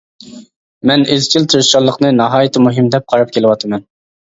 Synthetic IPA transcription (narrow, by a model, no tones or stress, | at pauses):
mɛnɪzt͡ʃʰilt̪ʰɨɾʃɑlˠːəqnɨnɑɦɑːjit̪ʰɪmuɦɨmd̪ɛp̚qʰɑɾɑp̚kʲʰelɪwɑt̪ʰɨmɛn